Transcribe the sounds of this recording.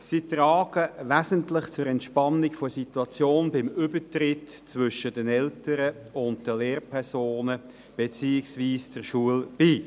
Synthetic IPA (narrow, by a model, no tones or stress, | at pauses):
sitʁɑːɡ̥əʋæzəntlɪχt͡sʊɾɛntʃpɑnːɪkfosituɑt͡sjoːnbɪmʏbətrɪtt͡svʏʃəd̥ɛnɛltəɾəʊndd̥əleːrpʰɛʁsoːnə | b̥ɛt͡siːɪksviːsd̥ɛʁʃuəlb̥iː